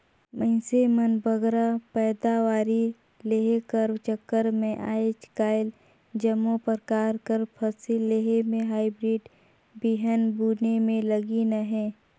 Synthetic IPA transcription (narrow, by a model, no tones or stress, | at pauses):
mə̃ɪ̃semənbʱəɡɾapɛːd̪awaːɾi | leɦekəɾt͡ʃəkːəɾmẽʔa̰ːet͡ʃkaːɪl | d͡ʒəmːopəɾkaːɾkəɾpʰəsilleɦemẽɦaːibɾiːɖ | biɦənbuːnemẽləɡinəɦɛ̃ː